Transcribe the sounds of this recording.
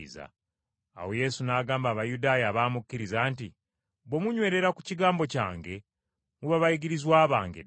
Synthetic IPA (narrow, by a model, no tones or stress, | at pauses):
za̰ | a̰wo̞je̞sunaːɡaːmbaːβajudaːjaːβaːmukːiɾizaːnti | βwo̞muɲwe̞ːɾe̞ɾakuciɡaːmbo̞ca̰ːŋɡe̞ | muβaβajiɡiɾizwaːβaːŋɡḛ